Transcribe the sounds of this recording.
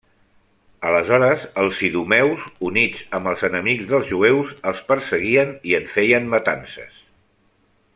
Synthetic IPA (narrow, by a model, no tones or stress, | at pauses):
ələzɔɾəzəlˠsiðumɛwzunid͡zəmbəlˠzənəmiɡzðəlˠzʒuewzəlˠspəɾsəɣiəniəɱfɛjənmət̪ansə̰s